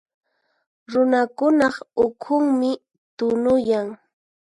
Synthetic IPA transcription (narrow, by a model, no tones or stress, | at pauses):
ɾʊnakʊnɑχʊkʰʊŋmɪ | t̪ʊnʊjaŋ